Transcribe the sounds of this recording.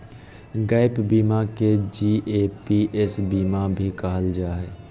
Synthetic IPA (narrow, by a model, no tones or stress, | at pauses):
ɡaːɪpbiːmaked͡ʒiːʔeːpiʔɛsbiːmabʱikəɦəld͡ʒaːɦeː